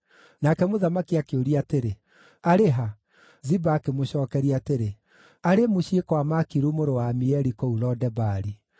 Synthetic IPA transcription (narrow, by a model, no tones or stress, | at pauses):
nakɛmoðamakiakeoɾiateɾe | aɾeɦa | zibaːkemoɕɔːkɛɾiateɾe | aɾemoɕiekwamakiɾumoɾowamiɛɾikɔulɔdɛbaːɾi